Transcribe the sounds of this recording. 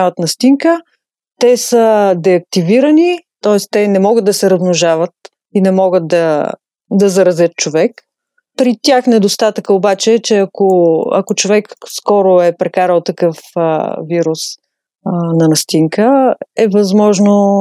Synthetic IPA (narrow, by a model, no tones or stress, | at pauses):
avɐt̪nɐst̪iŋkə | t̪ɛsəd̪ɛɐk̚t̪iviɾənit̪ɔɛst̪ɛnɛmɔɡət̪d̪ɐsɛɾɐzmʊʒavət̪ | inɛmɔɡət̪̚d̪ɐ | d̪ɐzɐɾɐzʲət̪̚t͡ʃovɛk | ppɾit̪ʲaxnɛd̪ost̪at̪əkəobat͡ʃɛt͡ʃɛɐkoɐ̰kot͡ʃovɛkskɔɾoɛpɾɛkaɾəlˠt̪ɐkɤfviɾus | nɐnɐst̪iŋkəɛvɐzmɔʒno